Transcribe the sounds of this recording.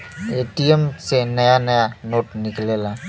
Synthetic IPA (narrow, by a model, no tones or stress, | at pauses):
eʈijemsenəjanəjanoʈniklela